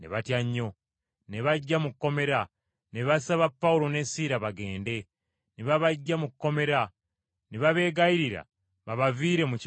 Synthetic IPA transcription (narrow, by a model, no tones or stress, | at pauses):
nḛβatjaɲːo̞ | neβaɟːamukːo̞me̞ɾa | neβasaβapːauɾo̞ne̞siːɾaβaɡe̞ːnde̞ | neβaβaɟːamukkːo̞me̞ɾa | neβaβe̞ːɡaiɾiɾa̰ | βaβaviːɾe̞muc